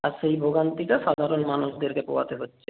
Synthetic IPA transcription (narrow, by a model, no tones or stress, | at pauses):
aɾʃejbʱoɡant̪iʈaʃad̪ʱaɾonmanuʃd̪eɾkepo̰wat̪eɦotːʃʰe